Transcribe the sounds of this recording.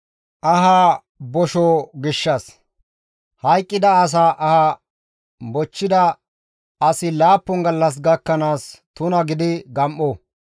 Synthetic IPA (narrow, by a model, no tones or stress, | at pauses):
ʔɐɦaː | bɔʃoːɡɪʃːɐs | hɐjkʼːɪd̪ɐːs̬aːʔɐha | bɔt͡ʃːɪd̪ɐ | ɐsɪlaːpːɔŋɡɐlːɐs̬ɡɐkːɐnaːst̪ʊnɐɡɪd̪ɪɡɐmʔoː